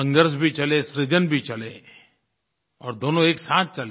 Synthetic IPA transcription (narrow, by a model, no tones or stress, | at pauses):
ə̃ŋɡəɾs̬bʱit͡ʃɐlesɾɪd͡ʒənbʱit͡ʃɐleː | ɔ̰ːɾd̪oːnõeːksaːt̪̚ʰt͡ʃɐle